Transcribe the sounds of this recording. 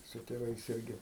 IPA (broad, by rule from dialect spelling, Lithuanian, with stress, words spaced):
sʊ tʲeːˈʋɐɪs ˈɪrʲɡʲɪ